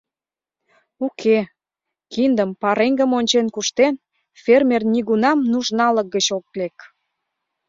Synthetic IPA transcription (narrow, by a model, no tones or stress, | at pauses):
ukʰe | kind̪əmpɑɾeŋɡəmonʲt͡ɕenkuʃt̪en | fermernʲiɣunɑmnuʒnɑlək̚ɡət͡ɕok̚lek